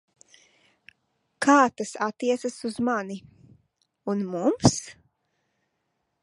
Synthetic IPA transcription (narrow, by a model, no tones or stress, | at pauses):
kʰaːt̪asat̪ːiɛt̪sasuzmani | unmums